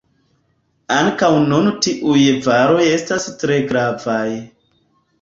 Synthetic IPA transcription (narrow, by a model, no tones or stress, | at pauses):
aŋkawnuntiʔujvaɾo̞je̞stastɾe̞ɡɾavaj